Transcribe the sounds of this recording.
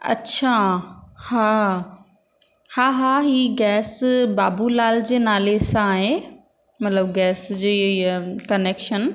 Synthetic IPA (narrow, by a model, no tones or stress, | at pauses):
ɐ̰tːʰa | haː | haːɦaːɦiːɡɛːsbaːbulaːld͡ʑeːnaːlesãːɦe | mɐt̪ləbɡɛːsd͡ʑeːkɐneːkʃən